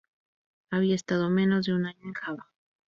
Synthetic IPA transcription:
aβiaest̪að̞o̞mẽ̞no̞zðeunaɲoeŋxaβa

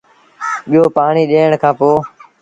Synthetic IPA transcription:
ɓɪːoːpaːɳiːɗeːəɳkʰãːpoː

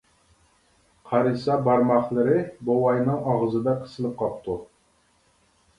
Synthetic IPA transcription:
qʰɑɾɨsɑbɑɾmɑχlˠɨɾɨbowɑjnɨŋɑʁəzɨd̪ɑqʰə̥sɨlˠɨp̚qʰɑp̚t̪ʰu

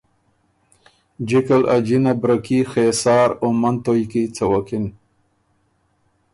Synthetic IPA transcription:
d͡ʒikalad͡ʒinabɾakixesɑːɾomant̪ojkit͡sawakɪn

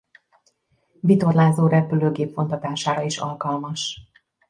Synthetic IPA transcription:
vit̪o̞rlaːzoːɾɛpyløːɡeːpfo̞nt̪ɒt̪aːʃaːɾɒiʃɒ̰lkɒlmɒʃ

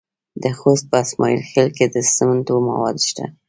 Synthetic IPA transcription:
d̪əxost̪̚pəasmɑjilxelked̪əsəmənt̪oma̰wɑd̪ʃt̪a̰

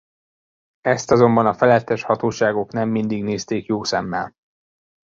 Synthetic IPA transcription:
ɛst̪ɒzo̞mbɒnɒfɛlɛt̪ːɛʃhɒt̪oːʃaːɡo̞kn̪ɛmːind̪iɡneːst̪eːkjoːsɛmːɛ̰l

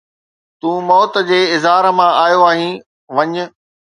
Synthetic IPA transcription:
t̪ũːmɔːt̪̆d͡ʑeːɪzɦaːɾəmãaːjoaːɦĩ | ʋɐɲʊ̆

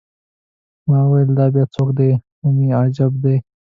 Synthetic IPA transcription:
mãːwɐld̪aːbjaːt͡sʰoːkd̪emumiːaːd͡ʑɐb̚d̪eː

